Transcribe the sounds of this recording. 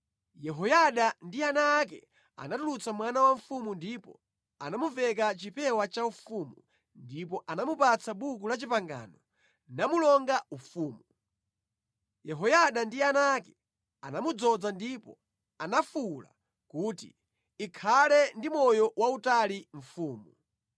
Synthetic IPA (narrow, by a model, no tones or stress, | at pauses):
jɛɦɔjaɗandianak̬ɛ̰ | a̰natulut͡samwanawaɱ̩fumundipɔ̰ | anamuvɛk̬at͡ʃipɛwat͡ʃaufumu | ndipɔʔanamupat͡sʰaɓuk̬ulat͡ʃipaŋɡa̰ːnɔ | namulɔŋɡaufuːmu | jɛɦɔjaɗandianakɛ | anamud͡zɔd͡zandipɔ̰ | anafula̰ | kuːtḭ | ikʰalɛndimɔjɔwautaliɱ̩fuːmu